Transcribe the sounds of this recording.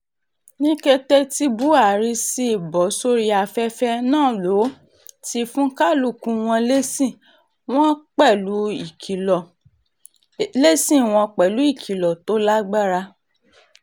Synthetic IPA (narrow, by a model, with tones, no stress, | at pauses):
nĩ˦kɛ˦tɛ˦ti˦bu˦a˨ɾi˧si˦i˨bɔ˨˦so˦ɾi˧a˧fɛ˦fɛ˦nãː˦˨lo˨˦ | ti˧fũ˦ka˦lu˦˨kũ˧w̃ɔ̃˧le˦sĩ˦˨ | w̃ɔ̃˦k͡pɛ˦˨lu˨˦i˨ki˨ɔ˨ | le˦sĩ˦˨w̃ɔ̃˧k͡pɛ˨lu˨˦i˦˨kʰi˨˦lɔ˨to˨˦la˦ɡ͡ba˦ɾa˧